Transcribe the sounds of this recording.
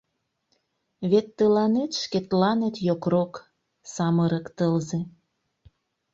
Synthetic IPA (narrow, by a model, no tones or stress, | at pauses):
βet̪ːəlɑnet̪ʃket̪lɑnet̪jokrok | sɑməɾəkt̪əlze